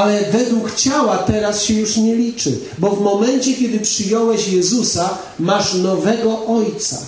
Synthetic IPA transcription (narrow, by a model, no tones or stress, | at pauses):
alɛvɛd̪wukt͡ɕawat̪ɛɾasɕɛjuʂɲɛlʲit͡ʂɘ̰ | bɔvmɔmɛnt͡ɕɛkʲjɛd̪ɘpʂɘjɔwɛɕjɛzusa | maʂnɔvɛɡɔʔɔjt̪sa̰